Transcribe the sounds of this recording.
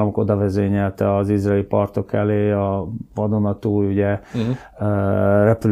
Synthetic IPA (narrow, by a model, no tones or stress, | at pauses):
lɒmoko̞d̪ɒvɛzeːɲɛlt̪ɛɒzizrɛlipɒrt̪o̞kɛleːɒvɒd̪o̞nɒt̪uːjuɟɛ | rɛpyl